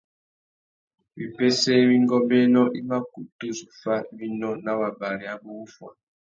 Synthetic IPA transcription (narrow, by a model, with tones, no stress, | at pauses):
βi˨pe˦se˦βi˦ŋɡɔ˦mbɛ˦nɔ˦ʔi˦ma˦ku˨tu˦zu˨fa˦βi˦nɔ˦na˨βa˨ba˨ɾi˨a˦βu˦fwa̰˨